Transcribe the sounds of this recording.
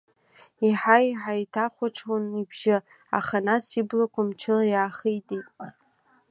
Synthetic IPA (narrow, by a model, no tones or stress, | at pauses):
iħajħajtʰaχʷaʈ͡ʂʰwanibʒɪ | a̰χanasiblakʷʰʊmt͡ʃʰɪlajaːχejtʼitʼ